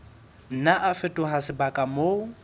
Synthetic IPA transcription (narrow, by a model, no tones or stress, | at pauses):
n̩naʔafɪtʼʊɦasɪbakʼamo